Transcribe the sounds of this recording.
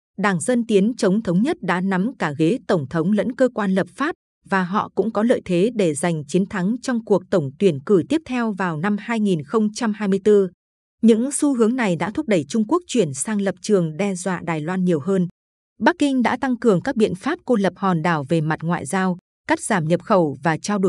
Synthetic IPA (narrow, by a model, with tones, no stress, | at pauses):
ɗaː˧˩ŋzə˧nt̪i˨˦ənt͡ɕə˨˦wŋ͡mt̪ʰə˨˦wŋ͡mɲə˦˥t̚ɗa̰ː˧˥na˨˦mkaː˧˩ɣe˨˦t̪ə˧˩wŋ͡mt̪ʰə˨˦wŋ͡mlə̰˧˥nkəː˧kwaː˧nlə˨˩p̚faː˦˥p̚ | vaː˨˩ɦɔ̰˧˨kʊ̰˧˥ŋ͡mkɔ˨˦lə̰ː˧˨jt̪ʰe˨˦ɗe˧˩za˨˩jŋ̟t͡ɕi˨˦ənt̪ʰa˨˦ŋt͡ɕɔ˧wŋ͡mku˨˩ək̚t̪ə˧˩wŋ͡mt̪wi˧˩ənkɨ˧˩jt̪i˦˥əp̚t̪ʰɛ˧wvaː˨˩wna˧mhaː˧jŋi˨˩nxə˧wŋ͡mt͡ɕa˧mhaː˧jmɨ˧əjt̪ɨ˧ | ɲɨ̰˧˥ŋsu˧ɦɨ˨˦əŋna˨˩jɗa̰ː˧˥t̪ʰu˦˥ɗə˧˩jt͡ɕʊ˧ŋ͡mku˦˥ək̚t͡ɕwi˧˩ənsaː˧ŋlə˨˩p̚t͡ɕɨ˨˩əŋɗɛ˧zwa̰ː˧˨ɗaː˨˩jlwaː˧nɲi˨˩əwɦəː˧n | ɓa˦˥k̚ːï˧ŋ̟ɗa̰ː˧˥t̪a˧ŋkɨ˨˩əŋkaː˦˥k̚ɓḭ˧˨ənfaː˦˥p̚ko˧lə˨˩p̚hɔ˨˩nɗaː˧˩wve˨˩ma˨˩t̚ŋwa̰ː˧˨jzaː˧w | ka˦˥k̟̚z̥aː˧˩mɲə˨˩p̚xə˧˩wvaː˨˩t͡ɕaː˧wɗo˧˩